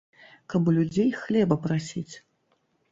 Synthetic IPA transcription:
kabulʲud͡zʲejxlʲɛbɐpɾasʲit͡sʲ

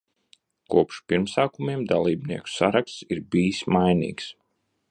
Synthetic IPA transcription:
kuɔpʃpiɾmsaːkumiɛmd̪alˠiːbniɛku̥saɾakst̪siɾbijismajnḭːks

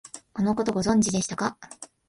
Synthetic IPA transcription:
ko̞no̞ko̞t̪o̞ɡo̞zõ̞ɲ̟d͡ʑid̪e̞ɕi̥t̪aka

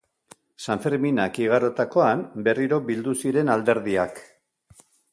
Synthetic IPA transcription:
saɱfeɾminakiɣ̞aɾo̞t̪ako̞ambe̞riɾo̞bild̪usiɾe̞nald̪e̞ɾðiak

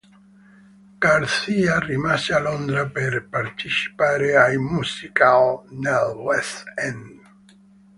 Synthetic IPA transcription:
ɡ̥aɾsiarimasealond̪ɾapeɾpaɾt̪it͡ʃi̥paɾeajmusikalnɛlwɛsɛn

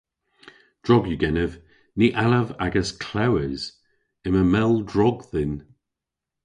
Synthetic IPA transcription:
d̥ɹɔɡjuɡɛnəv | niʔaləva̰ɡəskʰl̥awəz̥ | ɪməmɛlˠdɹɔɡðɪn

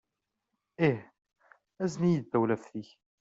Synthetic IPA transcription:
ih | æznijəd̪ːæwlæfθiç

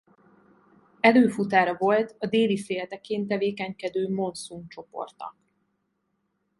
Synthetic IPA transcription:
ɛløːfut̪aːɾɒvo̞lt̪ɒd̪eːlifeːlt̪ɛkeːnt̪ɛveːkɛɲkɛd̪øːmo̞nsuŋkt͡ʃo̞po̞̰rt̪ɒ̰k

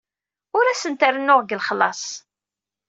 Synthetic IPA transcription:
ʊɾæsənt̪ərənːʊʁɡəlχəlːɑsˤ

